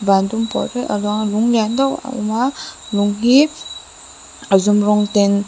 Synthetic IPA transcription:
bandumpɔ̰ɾɯʔa̰lɔŋluŋlandawa̰maluŋɦi | azumɾɔŋten

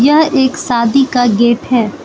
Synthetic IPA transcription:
jɐɦeːksaːd̪ikaɡeːʈɦɛː

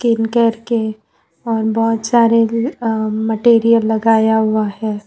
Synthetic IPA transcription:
skɪnkɐɾke | ɔːɾbɔːt̪saːɾe | məʈeːɾijəlːɐɡaːjaɦʊahɛː

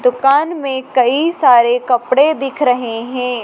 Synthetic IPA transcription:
d̪ʊkaːnmẽkɐisaːɾekɐpɽed̪ɪkʰɾɐɦeɦɛ̃ː

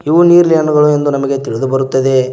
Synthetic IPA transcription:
iʋuniːɾliɐnɐɡɐɭue̞nd̪unɐmɐɡe̞t̪iɭid̪ubɐɾut̪ːɐd̪e̞

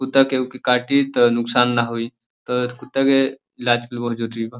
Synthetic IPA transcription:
kut̪əkeukekaʈit̪ɔnʊksaːnːaɦoi | t̪ɔkut̪ːəke | lad͡ʒkəlbɔɦd͡ʒoʈɾiba

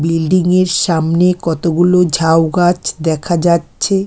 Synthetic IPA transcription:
bilɖiŋeɾʃamnekɔt̪oɡulod͡ʑʱawɡat͡ɕʰd̪ɛkʰad͡ʑatːɕʰe

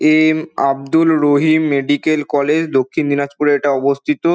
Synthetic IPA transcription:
ema̰bd̪ulɾoɦimːeɖikelkɔled͡ʑd̪okʰːind͡ʑ̪inad͡ʑpuɾeeʈaɔbost̪ʰit̪o

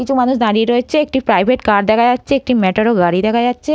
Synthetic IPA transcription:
it͡ɕʰumanuʃd̪aɾieɾoet͡ɕʰeek̚ʈipɾajbʱeʈkaɾd̪ɛkʰad͡ʑatːɕʰeek̚ʈimɛʈaɾoɡaɽid̪ɛkʰajatːɕʰe

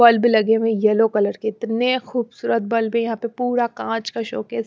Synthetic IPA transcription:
bɐlblɐɡemẽjɐlokɐləɾkeɪt̪nexuːbsuːɾət̪̚bɐlbɦẽjɐɦãːpepuːɾakãːt͡ʃkaʃo̰ːkɦɛs

